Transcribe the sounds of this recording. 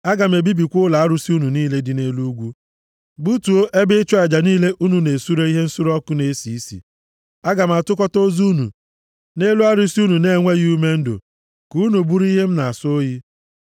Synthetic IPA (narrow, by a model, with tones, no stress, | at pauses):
a˦ɡa˨m̩e˨bi˦bi˨kʷʊ˦la˨a˦ɾu˦si˦u˦nu˨niː˦le˦dɪ˨ne˦lu˦ɡʷu˦ | bu˦tu˨o˦ʔe˦bɪ˦t͡ʃɔ˦a˨d͡ʒa˨niː˦le˦ʔu˦nu˨ne˨su˦ɾe˦i˦ɦe˦n̩˦su˦ɾɔ˦kʊ˦ne˦si˨˦sḭ˨ | a˦ɡa˨m̩˨a˨tʊ˦kɔ˦to˦zu˦nṵ˨ | ne˦lu˦a˦ɾu˦si˦u˦nu˨ne˦ŋʷe˦ɣi˦u˦me˦n̩˦do̰˨ | ku˨˦nu˨bu˦ɾi˦ɦe˦m̩˦na˨a˨so˦ji˦